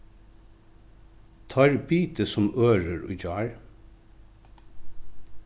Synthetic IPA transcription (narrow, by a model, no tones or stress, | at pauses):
t̪ʰɑɹbiːt̪əsɔmʔøːɹəɹo̰ːd͡ʒɑːɹ